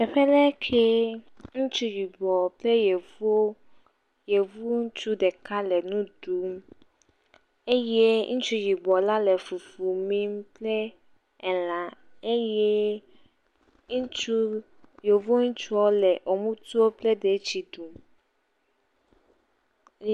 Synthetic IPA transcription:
ɛ˨ɸɛ˦lɛ˦kʰe˦ | ŋũ˦t͡ʃu˦ji˨bɔ˨ple˦je˨u˦o˦ | je˨vu˦ŋ̩˦t͡ʃu˦ɖɛ˨ka˦lɛ˨nũ˦du˨˦m˦ | e˦je˦ŋũ˦t͡ʃu˦ji˨bɔ˨la˦lɛ˨fu˨fu˨mĩ˦m˦plɛ˦ | ɛ˨lã˨ | e˦je˦ | ŋ˦t͡ʃu˦ | je˨vu˦o˦ŋũ˦t͡ʃu˦ɔ˦lɛ˨ʔo˨mũ˦t̪u˦o˦plɛ˦ɖe˨t͡ɕi˨du˨m

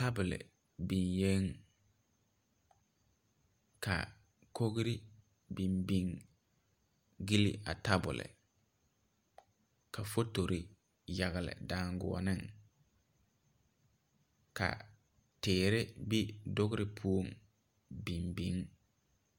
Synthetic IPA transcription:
ta˦bʊ˨lɪ̰˨ | bi˨nje˦ŋ | kʰa̰˨ | kʰo˦ɣɾɪ˦ | bi˨mbi˦ŋ | ɡi˦lḭ˦ʔa̰˨ta˦bʊ̰˨lɪ̰˨ | ka˨fo˦to˨ɾi˨ | ja˨ɣɪ˨lɪ̰˨daː˦ŋɡʊ̰˨ɔ̰˨nɪ˦ŋ | ka̰˨ | tɪː˨ɾɪ˦bi˦dʊ˦ɣʊ˦ɾɪ˦pʰu˦o˦˨ŋ | bi˨mbi˦ŋ

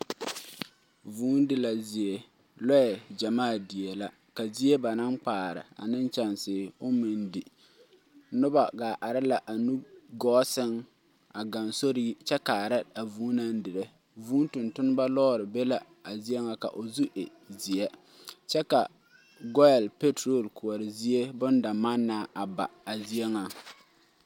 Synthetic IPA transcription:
vuː˦n˦dɪ˨la˨zi˨e˨ | lɔ˦ɛ˨d͡ʒa˨maː˦˨di˨ɛ˨la˦ | ka˨zi˦e˦ba˨na˦ŋk͡paː˨ɾɪ̰˨a̰˨nɪ˦nt͡ʃa˨nsɪː˨ʊ˦mɪ˨ndɪ˨ | nʊ˦ba˨ɡaː˨ʔa˨ɾɪ˦la˨ʔa˨nu˦ɡɔː˦sɪ˦ŋ | a˨ɡa˨nso˦ɾi˦t͡ʃɛ˦ka˨a˨ɾɪ˦a˨vuː˦na˦ndɪ˨ɾe˦ | vuː˦ntʊ˨ntʊ˦n˦ba˦lɔː˦˨ɾɪ˨be˦la˨ | a˨zi˦ɛ˦ŋa˦ka̰˨ʔo˨zu˦ʔḛ˨ | zi˨ɛ˦ | t͡ʃɛ˦ka˨ | ɡɔ˦ɛ˨lpe˦tɾo˨lkʊ˨ɔ˨ɾɪ˨zi˦e˦bʊ˦nda˨ma˦nːaː˦ʔa˨ba̰˨a˨zi˦ɛ˦ŋa˨

